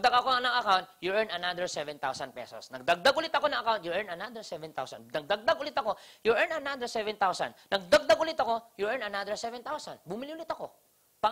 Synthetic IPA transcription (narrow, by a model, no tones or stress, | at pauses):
nɐɡd̪aɡɐkonɐŋɐkawnt̪̚jʊʔɛɹnɐnad̪əɹsɛvɛ̃nt̪awsɐn̚pɛ̰so̰snɐɡ̚d̪ɐɡ̚d̪aɡ̚ʔʊlɪt̪ɐko̞nɐ̃ŋɐkawnt̪̚jʊʔɛɹnɐnad̪əɹsɛvɛ̃nt̪a̰wsɐ̰nnɐɡ̚d̪ɐɡ̚d̪aɡʊlɪt̪ɐko̞jʊʔɛɹnɐnad̪əɹsɛvɛnt̪awsɐ̰nnʔɐɡ̚d̪aɡ̚d̪aɡʊlɪt̪ɐko̞jʊʔɛɹnɐnad̪əɹsɛvɛnt̪awsɐnbʊmɪliʔʊlɪt̪ɐko̞ | pa